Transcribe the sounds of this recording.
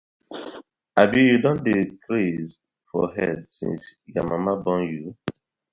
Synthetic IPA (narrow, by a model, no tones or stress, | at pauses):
abijudɔ̃ndekɾez | fɔ̰ɦɛdsḭ̃nsika̰mamabɔ̃nju